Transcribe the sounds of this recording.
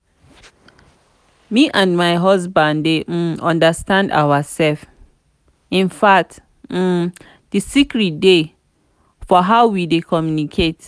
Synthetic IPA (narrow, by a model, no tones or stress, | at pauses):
mĩʔãndmaɪɦɔs̬bãndem̩ɔ̃ndastãnda̰wasɛlf | ĩnfak̚t | m̩ | d̥ɨsikɹit̚de | fɔɦaʊwidekʰɔ̃mjunikʰet